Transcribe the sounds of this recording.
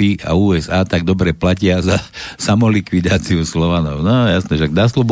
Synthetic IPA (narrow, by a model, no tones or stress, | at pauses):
iʔa̰uːɛzaːt̪aɡ̚d̪ɔbɾɛplacɪazasamɔlikʋid̪aːt͡siuslɔʋanɔʊnɔjasnɛʃaɡ̚naslɔb